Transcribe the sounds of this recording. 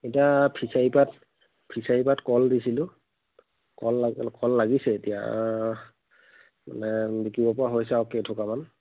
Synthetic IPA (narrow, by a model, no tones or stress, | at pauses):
etiapʰisaipat | pʰisaipatkɔldisilʊ̃ | kɔlakɔlːaɡisɛetija̰ | ma̰nɛbikibɔpɔaɦojs̬ɛawketʰɔkaman